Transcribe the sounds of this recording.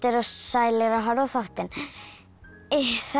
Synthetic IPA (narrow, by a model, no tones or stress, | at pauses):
t̪ɪɾɔssaːjlɪɾaɦaɾɔθawht̪ɪn | ɪθa